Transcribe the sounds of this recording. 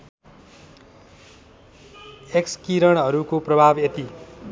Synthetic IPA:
ekskiɾʌɽ̃ɦʌɾukoprʌbʱabet̪i

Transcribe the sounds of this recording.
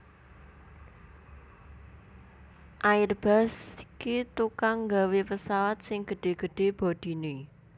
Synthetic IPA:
ʔaɪrb̥a̤sikit̪ukaŋːɡa̤wepəsawat̪̚sɪŋɡ̥əɖ̥e̤ɡ̥ə̤ɖ̥e̤b̥o̤d̪̥i̤ne

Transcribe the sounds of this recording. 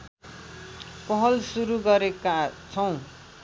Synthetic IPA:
pʌɦʌlsuɾuɡʌɾekat͡sʰʌw̃

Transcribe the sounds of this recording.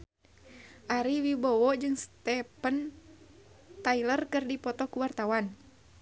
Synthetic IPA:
ʔaɾiwibɔwɔd͡ʒɨŋst̪ɛpən | t̪ailərkɨrdipɔt̪ɔkuwart̪awan

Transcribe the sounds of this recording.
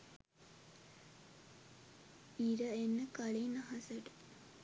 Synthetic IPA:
iɾəenːəkalinaɦasəʈə̥

